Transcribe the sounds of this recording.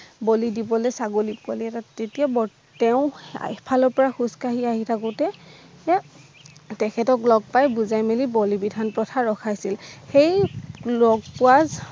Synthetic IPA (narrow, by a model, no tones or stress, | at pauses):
bolidibɔlɛsaɡolip̚kɔliɛtaetiabɔ | tɛʊ̰̃pʰalɔɹpɔɹaxuskaɦiaɦitʰakɔtɛ | tɛkʰɛtɔklɔɡ̚pajbuzajmelibolibidʱanpɹɔtʰaɹɔkʰajsilxejlɔɡ̚pʊwaz